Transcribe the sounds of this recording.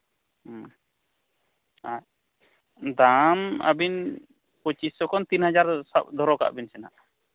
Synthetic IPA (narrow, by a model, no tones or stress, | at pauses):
a | d̪ama̰bin | pɔt͡ʃisːɔkɔnt̪inhad͡ʒaɾsap̚d̪ʱɔɾɔka̰ʔbinsɛna̰ʔ